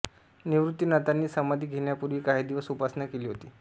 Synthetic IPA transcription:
niʋɾut̪ːiːnat̪anːiːsəmad̪ʱiːɡʱeɳjapuɾʋiːkaɦid̪iʋəsupasnakeliːɦot̪iː

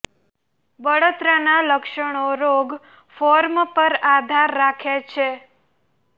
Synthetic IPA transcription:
bəɽot̪ɾənaləkʃəɽ̃oɾoɡ | foɾmpəɾad̪ʱaɾːakʰet͡ʃʰe

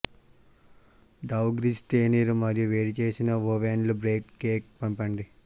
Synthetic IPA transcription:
ɖɐwɡɾisʈeːniɾumɐɾijuʋeːɽit͡ʃe̞ːsinɐʋoʋenlubɾeːkːeːk̚pɐmpɐɳɖi

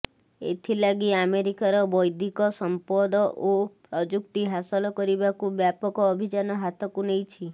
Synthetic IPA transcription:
ḛt̪ʰilaɡiameɾikaɾɔbɔjd̪ʱikɔsɔmpɔd̪ɔʔopɾɔd͡ʒukt̪iɦasɔlɔkɔɾibakubjapɔkɔːbʱid͡ʒanɔɦat̪ʰɔkunejt͡ʃʰi

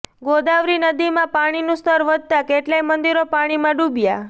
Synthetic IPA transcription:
ɡod̪aʋɾinəd̪imãpaɽ̃inũst̪əɾʋəd̪̚ʱt̪akeʈlajmənd̪iɾopaɽ̃imãɖubja

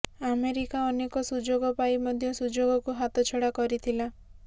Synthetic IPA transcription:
ameɾikaɔnekɔsud͡ʒoɡɔpaimɔd̪ʱjɔsud͡ʒoɡɔkuɦat̪ɔt͡ʃʰoɽakɔɾit̪ʰila

